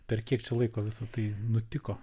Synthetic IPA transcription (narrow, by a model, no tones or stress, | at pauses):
pʲɛrkʲiɛkt͡ʃʲɛlˠɐɪkoːʋʲɪsɐt̪ɐɪnʊt̪ʲɪkoː